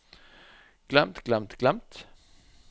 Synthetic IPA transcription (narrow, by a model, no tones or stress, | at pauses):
ɡ̥lamt̪ɡ̥lamt̪ɡ̥lamt̪